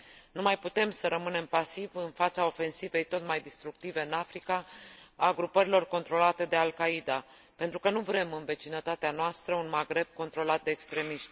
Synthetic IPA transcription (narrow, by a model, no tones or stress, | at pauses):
numajput̪e̞msəɾʔəmɨne̞mpasivɨnfat̪sao̞fe̞nsive̞jt̪o̞t̪majd̪ist̪ɾuk̚t̪ive̞ɨnafɾikaː | ɡɾupəɾilo̞rko̞nt̪ɾo̞lat̪e̞d̪e̞alkaid̪a | pe̞nt̪ɾukənuvɾe̞mɨnve̞t͡ʃinət̪at̪eanoast̪ɾəunmaɡɾe̞b̚ko̞nt̪ɾo̞lat̪̚d̪e̞ːkst̪ɾe̞miʃt̪ʲ